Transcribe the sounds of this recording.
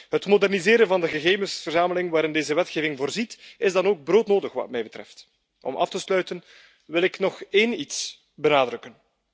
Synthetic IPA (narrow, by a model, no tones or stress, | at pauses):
ɦətmodɛrnizeːɾənvɑndəɣəɣeːvənsfərzaːməlɪŋʋaːɾɪndeːzəʋɛtxeːvɪŋvoːrzitɪzdɑnoːɡ̚broːtnoːdəxʋɑ̰tmɛjbətrɛ̰ft | ʔɔ̰mʔɑ̰ftəslœɥtən | ʋɪlɪknɔxeːnits | bənaːdrʏkən